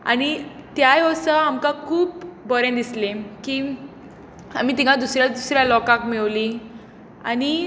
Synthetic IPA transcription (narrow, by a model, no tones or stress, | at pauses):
a̰ñit̪jajɔsəamkãkʰuːpbɔɾẽd̪islekiː | am̤it̪iɡad̪usɾjad̪usɾjalɔkãkmiʋli | a̰ñi